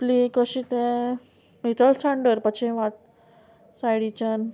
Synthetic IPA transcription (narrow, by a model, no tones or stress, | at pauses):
plikəɕĩt̪ɛ̃ | mit̪əlsãɳɖəɾpət͡ɕʰẽʋãt̪̚ | sajɽit͡ɕan